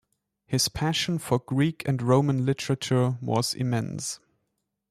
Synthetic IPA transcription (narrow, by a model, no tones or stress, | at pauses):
hɪz̥pʰæʃə̃n̩fə˞ɡɹikʰɨ̃ndɹõʊ̃mə̃nlɪtəɹət͡ʃə˞wʌ̰z̥ɪ̰mɛ̃ns